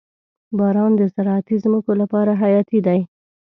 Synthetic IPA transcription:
bɑɾɑnd̪əsaɾɑat̪izməkolapɑɾaɦajɑt̪id̪aj

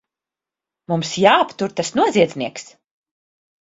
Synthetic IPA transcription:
mumsjaːpt̪uɾt̪asnuɔziɛzniɛks

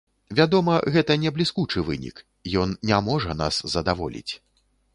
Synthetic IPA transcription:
vʲad̪ɔmɐɣɛt̪ɐnʲɛblʲiskut͡ʂɨvɨ̰nʲḭk | jɔnnʲamɔʐɐna̰szɐd̪avɔ̰lʲḭt͡sʲ

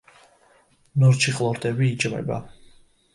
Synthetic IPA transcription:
nɔɾt͡ʃʰiχlˠɔɾt̪ʼɛbiːt͡ʃʼvɛ̰ba̰

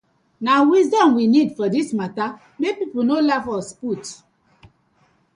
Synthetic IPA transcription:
nawizdɔ̃mwinidfɔdismata | mepipənolafɔsput

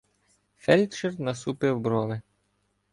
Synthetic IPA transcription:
fɛlʲt͡ʃɛrnɐsupɪwbɾɔʋɪ

